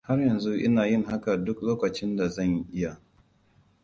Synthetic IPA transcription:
ha˦rjɐ˨nzu˦ʔɪ̰˦naː˨jɪ˦˨ŋɦa˦ka˨dʊ˦k̚loː˦kɐ˨t͡ʃɪ˦nda˨zɐ˦˨ŋʔɪ˦ja˨

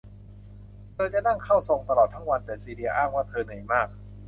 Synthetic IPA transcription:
t̪ʰɤː˧t͡ɕa˨˩ʔna˥˩ŋkʰa˥˩wso˧ŋt̪a˧lɔː˨˩t̪ʰːa˦˥˩ŋwa˧nt̪ɛː˨˩siː˧di˧ɐ˧ʔaː˥˩ŋwaː˥˩t̪ʰɤː˧nɯ˨˩˦jmaː˥˩k̚

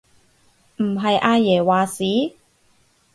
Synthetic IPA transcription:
m̩˨˩ɦɐ˨jʔaː˧jɛː˨˩waː˨˩siː˨˥

